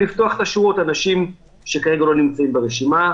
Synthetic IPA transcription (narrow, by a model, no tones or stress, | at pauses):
ift̪o̞aχe̥t̪aʃeuot̪anaʃim | ʃekaʁe̞ɡalo̞nimt͡saimbeʁeʃima